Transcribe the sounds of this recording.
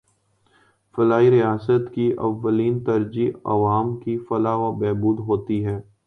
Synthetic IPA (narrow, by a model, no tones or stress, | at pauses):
fɐlaːiɾijaːsət̪kiʔɐ̰ʋːəliːnt̪ɐɾd͡ʒiɐ̰ʋaːmkifɐlaʋabɛːbuːd̪ɦoːt̪iɦɛː